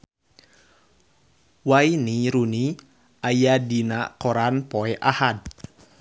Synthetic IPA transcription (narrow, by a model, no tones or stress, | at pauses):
wainiɾuni | ʔajadinaʔkɔɾanpɔɛʔahad̚